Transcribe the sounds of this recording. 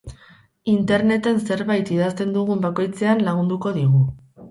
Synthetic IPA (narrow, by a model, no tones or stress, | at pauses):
int̪e̞ɾne̞t̪e̞nse̞ɾβajt̪iðast̪e̞nd̪uɣumbako̞jt͡se̞anlaɣ̞und̪uko̞ðiɣu